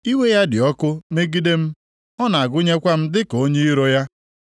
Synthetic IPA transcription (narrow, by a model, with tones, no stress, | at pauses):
i˦we˦ja˦dɪ˨ɔ˦kʊ˦me˦ɡi˦de˦m̩˦ | ɔ˦na˨a˨ɡʊ˦ɲe˦kʷa˦m̩˦dɪ˦ko˦ɲe˦i˦ɾo˦ja˦